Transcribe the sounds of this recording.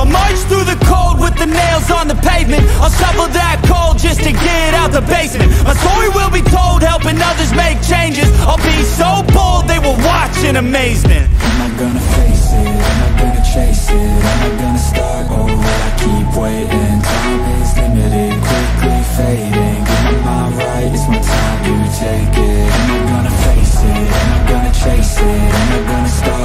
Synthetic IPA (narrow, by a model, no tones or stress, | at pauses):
mʌt͡ʃθɹʉðɨkʰoʊlˠd̚wɨðɨneɪlˠzn̩ðəpʰẽɪvmɨ̃ntəsʌfʌ˞vðɨt̚kʰoʊlˠd̚d͡ʒʌstʰɨɡɛɾɾaʊt̪̚ðəbeɪsmɨ̃ntbʌsɔiwɪlˠbitʰoʊlˠd̚hɛlˠpɪ̃ŋʌðə˞zmeɪk̚t͡ʃʰẽɪ̃nd͡ʒɨzəbiɪ̃soʊboʊlˠd̪̚ðeɪwəlˠwɑt͡ʃɨ̃nɨmeɪzmɨ̃nt̚ãɪ̃mat̚ɡ̥ʌnɨfeɪsɪãɪ̃maɪɡʌnɨt͡ʃʰeɪsɪãmãɪɡʌnəstɑpo | əaɪkʰipweɪɾɪ̃ntʰã | ɪsɪmɪɾɪkʰw̥ɪkʰlifeɪɾɪ̃ŋ | a | ɹaɪt̚ɨsmətʰãɪ̃bjʉtʰeɪkɪãmaɡʌnɨfeɪsɪãɪ̃maɪɡ̥ʌnɨt͡ʃʰeɪsɪãmaɡʌnɨstɑ